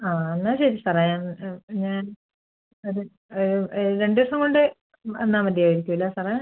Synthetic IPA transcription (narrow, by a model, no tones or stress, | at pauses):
aːenːaːɕejtːɨsɐrɐjaːmɲaːn | ɐðɨ | ɾe̞ɳɖɨʋɐʂɐŋkoɳɖɨ | ḛnːaːmɐd̪ijaːʋiɾikʲːumilːɐsɐrɐja